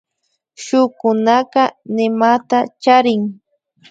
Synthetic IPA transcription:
ʃʊkʊnɑqɑnɪmat̪at͡ʃaɾɪŋ

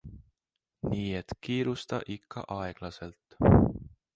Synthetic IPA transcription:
niːe̞t̪kiːɾust̪ɑ̰ʔikʰːɑ̰ʔɑe̞ɡ̥lɑse̞lt̪

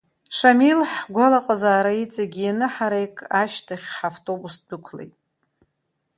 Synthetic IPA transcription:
ʂamilħɡʷalaqʼazaːɾait͡sʼaɡʲianɨħaɾejkʼaʃtʰaχʲħaftʼo̞busdɨkʷʰlḛjtʼ

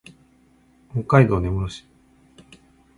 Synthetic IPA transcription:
hokːaid̪o̞ːne̞mɯɾoɕi̥

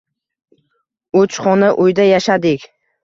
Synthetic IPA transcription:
ɵt͡ʃχɒnaʔʊjd̪ajaʃad̪ɪkʲ

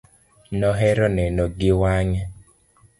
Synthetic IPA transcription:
nɔɦɛɾɔnɛnɔɡɪwaɲɛ

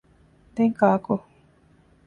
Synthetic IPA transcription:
d̪eŋkaːko

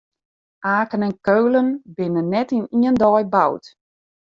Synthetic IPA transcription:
ʔaːkənɛnkøːlənbɪnənːɛtiniəndɔjba̰wt

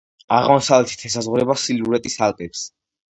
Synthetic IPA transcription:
a̰ʁmɔsavlɛt̪ʰi̥t̪ʰɛs̬azʁuɾɛbasiluɾɛt̪ʼisalpʼɛps

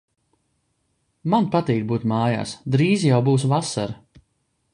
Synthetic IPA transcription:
manpat̪iːkbuːt̪maːja̰ːsd̪ɾiːzjawbuːs̬vasaɾ

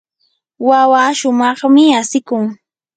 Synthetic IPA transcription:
wawaʃʊmɑχmɪasɪkʊŋ

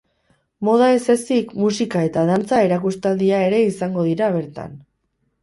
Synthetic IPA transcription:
mo̞ð̞ae̞se̞sikmusikae̞t̪að̞ant͡sae̞ɾakust̪ald̪iae̞ɾe̞isaŋɡo̞ð̞iɾaβ̞e̞ɾt̪a̰n

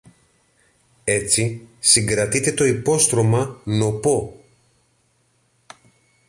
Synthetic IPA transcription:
e̞t͡sisiŋɡɾɐt̪it̪e̞t̪o̞ipo̞st̪ɾo̞mɐno̞po̞

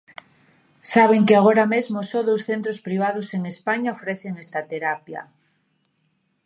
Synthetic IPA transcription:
saβ̞eŋkɪaɣoɾamezmʊsɔðowsθent̪ɾospɾiβ̞að̞ʊseŋespaɲaofɾeθeŋest̪at̪eɾapja̰

